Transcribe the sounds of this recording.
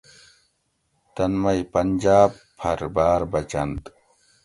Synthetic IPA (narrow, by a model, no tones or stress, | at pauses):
t̪ɐnmɐjpɐnd͡ʑaːb | pʰɐɾbaːɾbɐt͡ɕɐnt̪